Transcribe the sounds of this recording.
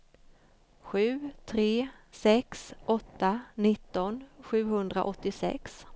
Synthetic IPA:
ɧʉ̟ːt̪ʰɾeːsɛksʔɔt̪ːanɪt̪ːɔnɧʉ̟ːhɵnd̪ɾa̰ʔɔt̪ːɪsɛ̰ks

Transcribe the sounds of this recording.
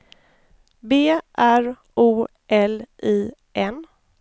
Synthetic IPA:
beːʔæɾ | uː | ʔɛliː | ʔɛn

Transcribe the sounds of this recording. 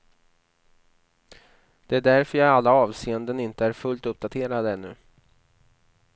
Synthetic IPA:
d̪̥ɛæɖæɾfœɾjaalːaɑːvseːənd̪ənɪnt̪əæɾfɵlt̪ɵp̚d̪at̪ʰeːɾad̪əɛnːɵ̰

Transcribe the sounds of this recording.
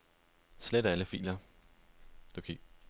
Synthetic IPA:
sled̥æləfḭːlɐ | d̥okʰḛ

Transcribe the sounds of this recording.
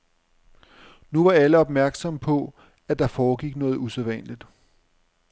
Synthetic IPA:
nuʋɑ̈æləɒ̽b̥mæɐɡ̥sɒ̽mpʰɒ̽ | æd̥ɑ̈fɒːɡ̥iɡ̥nɔ̽ːð̞̩ˠuseðˠʋæn̰lid̥

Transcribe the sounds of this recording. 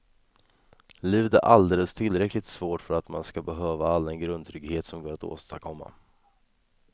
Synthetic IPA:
liːvd̪æ̰ɾʔald̪eːləst̪ʰɪlɾɛklɪt̪svoːʈfœɾat̪manskabɛɦøːvaalːɛnɡɾɵnd̪t̪ʰɾʏɡheːt̪sɔmɡoːɾat̪o̰ːst̪akʰɔmːa̰

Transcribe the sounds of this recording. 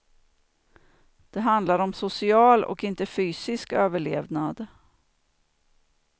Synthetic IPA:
d̪̥ɛɦand̪laɾɔmsʊsɪɑːlɔ̰kɪnt̪əfyːsɪskøːvəɭḛːvnad̪

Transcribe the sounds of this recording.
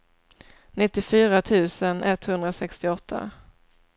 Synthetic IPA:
nɪt̪ːɪfyːɾat̪ʰʉ̟ːsənɛt̪hɵnd̪ɾasɛkst̪ɪɔt̪ʰːa̰

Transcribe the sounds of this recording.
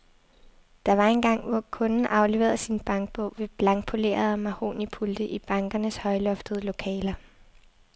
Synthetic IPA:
d̥ɑ̈ʋɑ̈e̝nɡ̥ɑ̈ŋ̰ʋɒkʰɔ̽nn̩ʔɑ̈ʊle̝ʋḛɐðˠsinb̥ɑ̈ŋɡ̥̚b̥ɔʊ̰ʋe̝b̥lɑ̈ŋɡ̥̚pʰo̝le̝̰ːɐð̩ˠmæho̝̰ːnipʰuld̥əʔib̥ɑ̈ŋɡ̥ɐnəshɒ̽ɪlɔ̽fd̥əð̞̩ˠlo̝kʰɛːlɐ

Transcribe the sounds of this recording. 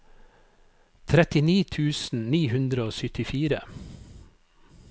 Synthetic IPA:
t̪ʰɾɛt̪ɪniːt̪ʰʉːsn̩niːhʉnd̪ɾəoːsʏt̪ɪfiːɾə

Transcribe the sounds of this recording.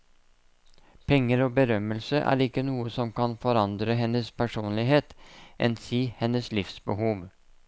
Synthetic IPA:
pʰɛŋːəɾoːbəɾœməlsəʔæ̰ːɾɪkːənuːəsɔmkɑnfɔɾɑnd̪ɾəɦɛnːəspʰæʂuːnlɪɦeːt̪ʔɛ̰nsiːhɛnːəslɪfsbəhuːʋ

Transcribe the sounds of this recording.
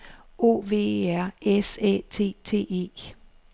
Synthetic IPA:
o̝̰ːʋe̝̰ːæɐ̰esɛ̰t͡sʰe̝̰ːt͡sʰe̝̰ːe̝̰ː

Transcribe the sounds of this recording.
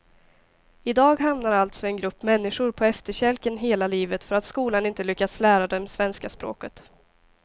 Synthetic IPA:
ɪd̪ɑːɡɦamnaɾalt̪sɔɛnɡɾɵpːmɛnːɪʂʊɾpʰɔɛft̪əɕɛlkənɦeːlaliːvət̪fœɾat̪skuːlanɪnt̪əlʏkːat̪slæːɾad̪ɛmsvɛnskaspɾo̰ːkət̪

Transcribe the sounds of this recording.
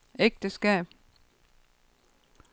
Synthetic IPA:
eɡ̥̚d̥əsɡ̥ɛ̰ːb̥̚

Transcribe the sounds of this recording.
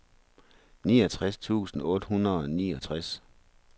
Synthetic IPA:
niːɒt͡sʰʁast͡sʰṵːsn̩ɔ̽ːd̥hunɐðˠɒnḭːɒ̽t͡sʰʁas

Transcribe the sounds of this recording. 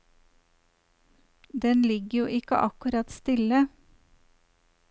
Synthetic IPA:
d̪ɛnlɪɡəjuːʔɪkə̰ʔɑkʉɾɑt̪st̪ɪlə

